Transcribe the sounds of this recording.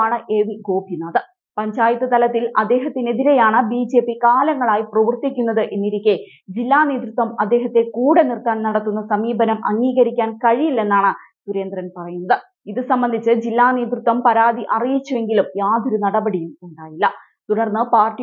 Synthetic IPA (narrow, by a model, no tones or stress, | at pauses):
aːɳɨʔeʋiɡo̞ːbʱinaːðɨ | pɐɲd͡ʑaːjit̪ːɨt̪ɐlɐt̪ːilɐd̪ːe̞ːɦɐt̪ːine̞ðiɾe̞jaːɳɨbiːd͡ʑe̞ːpːikaːlɐŋːɐɭaːjiprɐʋɐrt̪ikʲːunːɐðɨʔe̞nːiɾikʲːe | d͡ʑilːaːne̞ːd̪rut̪wɐmɐd̪ːe̞ːɦɐt̪ːe̞kuːɽe̞nirt̪aːnnɐɽɐt̪ːunːɐsɐmiːbɐnɐmʔɐ̰ŋːiːɡɐɾikʲːaːnkɐɻijilːe̞nːaːɳɨsuɾe̞ːnd̪rɐnpɐrɐjunːɐðɨ | iðɨsɐmbɐnd̪ʱit͡ɕːɨd͡ʑilːaːne̞ːd̪ɾut̪wɐmpɐɾaːd̪iʔɐrijit͡ɕːue̞ŋɡilumjaːd̪ʱɐɾunɐɽɐbɐɽijumuɳɖaːjilːɐ | t̪uɽɐrnːɨpaːrʈi